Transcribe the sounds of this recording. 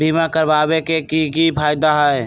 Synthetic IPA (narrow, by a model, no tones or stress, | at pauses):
bimakəɾbabekekikipʰajd̪aɦəj